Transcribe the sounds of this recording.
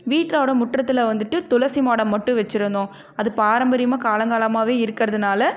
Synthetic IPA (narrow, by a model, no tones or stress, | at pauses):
ʋiːʈɾaːʋɽɐmʊʈrɐt̪ːɪlɐʋɐnd̪ɯʈːɯt̪ʊlɐsimaːɽɐmːɐʈːɯ̃ʋɛt͡ʃːɪɾɯnd̪õː | ɐðɯpaːɾɐmbɐɾɪjmaːkaːlɐŋɡaːlɐmaːʋeːɪɾɯkːɪɾɐðɯnaːlɐ